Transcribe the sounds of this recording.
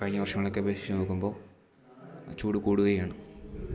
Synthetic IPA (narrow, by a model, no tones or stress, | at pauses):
kɐɻiɲːɐʋɐrʂɐŋːɐɭokːeɐbʱeɕi̥t͡ɕːunoːkːumbo̞ː | t͡ɕuːɽukuːɽuɣɐjaːɳu